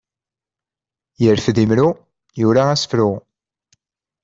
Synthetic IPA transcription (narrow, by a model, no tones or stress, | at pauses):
jəɾθðimɾu | jʊɾaæsə̥fɾʊ